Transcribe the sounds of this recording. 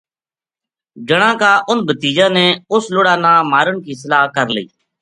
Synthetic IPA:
d͡ʒəɽ̃ãːkaːʔʊnbət̪iːd͡ʒãːneːʊslʊɽaːnãːmaːɾəɳkiːsəlaːɦkəɾləḭː

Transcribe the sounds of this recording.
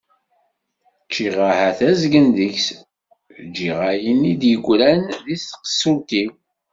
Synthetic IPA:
t͡ʃːiʁahæθæzɡənðəçs | d͡ʒːiʁajinid̪jəɡʷːɾænðisqə̥sult̪i

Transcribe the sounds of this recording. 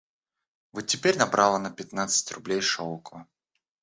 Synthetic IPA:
vot̪̚tʲːɪpʲeɾʲnɐbɾʔalˠənəpʲɪt̪nat̪sɨ̥tʲrʊblʲejʂolˠkəvə

